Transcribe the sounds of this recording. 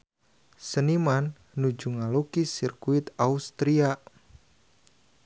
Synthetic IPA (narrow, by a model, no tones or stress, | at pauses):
sənimanː | ud͡ʒuŋalokisirkuit̪aust̪ɾia